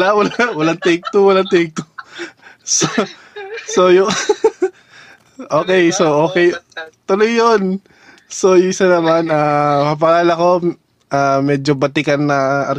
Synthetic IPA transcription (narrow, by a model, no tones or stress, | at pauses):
lawɐlawɐlaŋt̪ɛk̚t̪owɐlaŋt̪ɛk̚t̪o | so | sojʊ | ʔoːkɛjsoʔoːkɛjt̪ʊlojːon | sojʊŋɪsanɐmanamɐp̬ɐɡaːlɐko̞ | ʔaːmɛːd͡ʒobɐt̪ɪkɐnːɐɐ